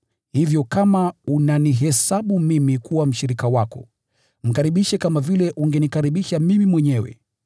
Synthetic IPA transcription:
hivjɔkamaunaniɦɛsaɓumimikuwam̩ʃiɾikawakɔ̰ | m̩kaɾiɓiʃɛkamavilɛʔuŋɡɛnikaɾiɓiʃamimimwɛɲɛwɛ̰

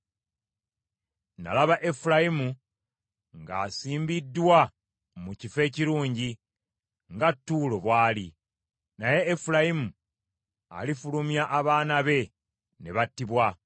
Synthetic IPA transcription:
na̰laβaʔe̞fulajimu | ŋɡa̰ːsiːmbidːwa | mucife̞ːciɾuːɲɟi | ŋɡatːuːlo̞βwaːli | naje̞ːfuɾajimu | a̰lifulumjaʔːβaːnaβe̞ | ne̞βatːiβwa

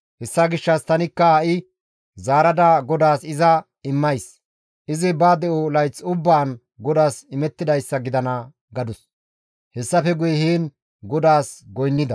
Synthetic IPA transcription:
hɛsːɐɡɪʃːɐst̪ɐnɪkːɐɐʔɪ | zaːɾɐd̪aɡɔd̪aːsɪzɐ | ɪmːɐjs | ʔɪzɪbaːd̪ɛʔolɐjt͡sʊbːaːn | ɡɔd̪aːsɪmɛt̪ːɪd̪ɐjsːɐɡɪd̪ɐnɐ | ɡɐd̪ʊs | hɛsːɐfɛɡʊjɛhiːn | ɡɔd̪aːsɡɔjnːɪd̪ɐ

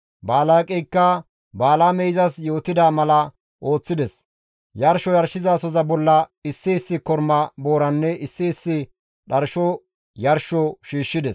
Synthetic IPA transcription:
baːlaːkʼɛjkːɐ | baːlaːmɛjzɐsjo̞ːt̪ɪd̪aːmɐlɐ | ʔo̞ːt͡sːɪd̪ɛs | jɐɾʃɔjɐɾʃɪzasɔzɐbɔlːɐɪsːɪɪsːɪkɔɾmɐbo̞ːɾɐnːɛʔɪsːɪːsːɪ | ɗɐɾʃɔ | jɐɾʃɔʃiːʃːɪd̪ɛs

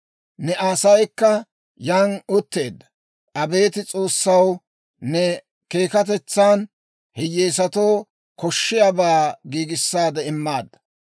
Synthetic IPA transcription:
nɛʔasɐjkːɐ | jaːnʊt̪ːe̞ːd̪ːɐ | ʔɐbe̞ːt̪ɪt͡sʼo̞ːsːɐw | nɛ | ke̞ːkɐt̪̬ɛt͡sːaːn | hɪjeːs̬ɐt̪o̞ː | kɔʃːɪjabaːɡiːɡɪsːaːd̪ɛɪmːaːd̪ːɐ̥

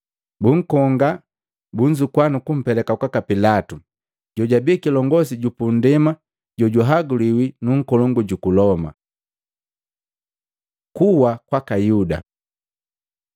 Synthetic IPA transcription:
buŋ̩kɔŋɡa | buɲd͡ʒukwanukum̩pɛlɛkakwakapilatu | ɟɔɟabikilɔŋɡɔsiɟupundɛma | ɟɔɟuɦaɡuliwinuŋ̩kɔlɔŋɡuɟukulɔma̰ | kuwakwakajuda̰

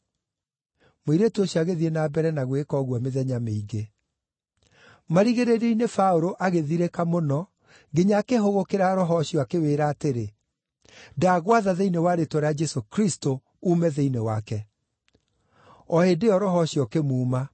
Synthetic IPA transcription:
moiɾetoɕiaɣeðienaːbɛɾɛnaɣwekɔɣwɔmeðɛɲameiɡe | maɾiɣeɾeɾeinefaoɾoʔaɣeðiɾekamonɔ | ŋɡeɲakeɦoɣokeɾaɾɔɦɔɕijɔakeweːɾaːteɾe | daːɣwaðaðeinewaɾetɔɾead͡ʒɛsokɾisto | umɛðeinewakɛ | ɔhedeɔɾɔɦɔɕjɔkemuːma

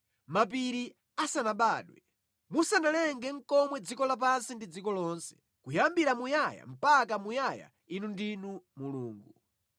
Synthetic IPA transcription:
map̬iɾi | asanaɓaːɗwɛ | musanalɛŋɡɛŋ̩kɔmwɛd͡zikɔlap̬ansindid͡zikɔlɔːnsɛ̥ | kujambiɾamujaja̰m̩pak̬amujaja̰ | inundinumuluːŋɡu

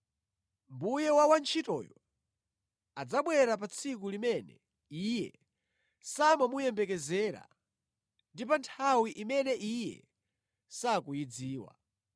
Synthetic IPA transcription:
mbujɛwawant͡ʃʰitɔ̰jɔ | ad͡zaɓwɛɾap̬at͡sʰik̬ulimɛnɛ̰ | ijɛ̰ | samamujɛmbɛkɛzɛːɾa̰ | ndip̬antʰawiʔimɛnɛʔijɛ̰ | sakujid͡ziːwa̰

